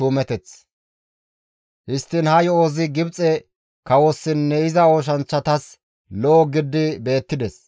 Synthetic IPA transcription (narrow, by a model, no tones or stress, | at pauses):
uːmɛt̪ɛt͡s | hɪst̪ːɪnhɐjɔoːzɪɡɪbt͡sʼɛ | kɐwɔsːɪnːɛɪzɐoːʃ̬ɐnt͡ʃːɐt̪ɐs | lɔʔɔɡɪd̪ːɪbe̞ːt̪ːɪd̪ɛs